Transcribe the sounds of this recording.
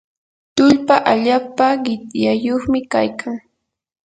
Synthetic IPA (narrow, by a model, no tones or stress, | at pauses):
t̪ʊʎpaʔaʎaːpaɢɪt̪jajoχmɪkajkʰaŋ